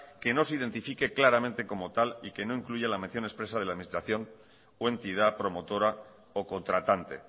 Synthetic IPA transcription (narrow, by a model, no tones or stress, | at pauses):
ke̞no̞s̬iðe̞nt̪ifike̞klaɾamẽnt̪e̞ko̞mo̞t̪alike̞no̞iŋkluʝalamenθjo̞ne̞spɾe̞sað̞elaðminist̪ɾaθjo̞n | oe̞nt̪ið̞apɾo̞mo̞t̪o̞ɾa | oko̞nt̪ɾat̪ant̪e̞̰